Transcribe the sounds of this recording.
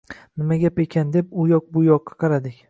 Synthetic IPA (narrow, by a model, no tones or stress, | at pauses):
nɪmaɡʲape̞kʲʰand̪e̞pʊjɒq̚bʊjɒqʰːɑ̥qʰɑɾad̪ɪkʲ